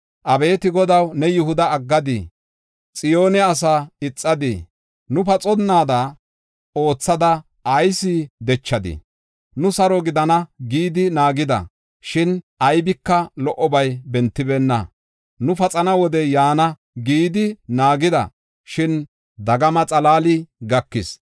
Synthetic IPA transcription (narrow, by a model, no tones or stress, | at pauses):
ʔɐbe̞ːt̪ɪɡɔd̪ɐwnɛjɪhʊd̪ɐːɡːɐd̪ɪ | t͡sʼɪjo̞ːnɛɐs̬aːɪt͡sʼːɐd̪ɪ̰ | nʊpɐt͡sʼɔnːaːd̪ɐ | o̞ːt͡sːɐd̪ɐ | ɐjsid̪ɛt͡ʃːɐd̪ɪ̰ | nʊsɐɾɔɡɪd̪ɐnɐɡiːd̪ɪnaːɡɪd̪ɐ̰ | ʃɪnʔɐjbɪkːɐlɔʔɔbɐjbɛnt̪ːɪbɛːnːɐ̰ | nʊfɐt͡sʼɐnɐwɔd̪ɛjaːnɐ | ɡiːd̪ɪnaːɡɪd̪ɐ̰ | ʃɪn | d̪ɐɡɐmɐt͡sʼɐlaːlɪɡɐkːɪs